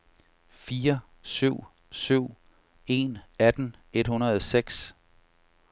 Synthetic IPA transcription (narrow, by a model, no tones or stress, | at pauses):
fiːɐ | syʊ̰ | syʊ̰ | e̝̰næd̥n̩e̝d̥hunɐðˠseɡ̥s